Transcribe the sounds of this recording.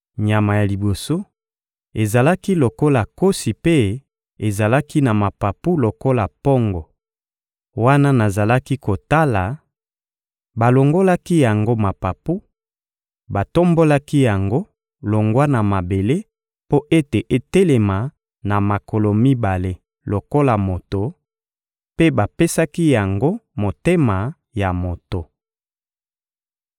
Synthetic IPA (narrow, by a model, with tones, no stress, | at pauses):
ɲa˨ma˨ja˨li˨bo˨so˦ | e˨za˨la˦ki˦lo˨ko˦la˨ko˦si˨pe˦ | e˨za˨la˦ki˦na˨ma˨pa˨pu˦lo˨ko˦la˨po˦ŋɡɔ˨ | wa˦na˦na˨za˨la˦ki˦ko˨ta˦la˨ | ba˨lo˨ŋɡo˦la˦ki˦ja˨ŋɡo˦ma˨pa˨pu˦ | ba˨to˦mbo˦la˦ki˦ja˨ŋɡo˦ | lo˨ŋɡwa˦na˨ma˨be˨le˦ | po˦ʔe˦te˨ʔe˨te˦le˨ma˨ | na˨ma˨ko˨lo˨mi˦ba˨le˦ | lo˨ko˦la˨mo˨to˨ | pe˦ba˨pe˦sa˦ki˦ja˨ŋɡo˦mo˨te˦ma˨ | ja˨mo˨to˨